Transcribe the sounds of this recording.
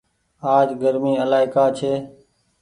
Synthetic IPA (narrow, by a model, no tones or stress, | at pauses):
aːd͡ʒɡəɾmiːəlaːɪkaːt͡ʃʰeː